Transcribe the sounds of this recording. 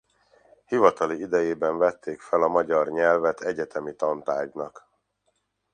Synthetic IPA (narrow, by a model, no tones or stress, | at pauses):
hivɒt̪ɒliid̪ɛjeːbɛɱvɛt̪ːeːkfɛlɒmɒɟɒrɲɛlvɛt̪ʰɛɟɛt̪ɛmit̪ɒnt̪aːɟnɒk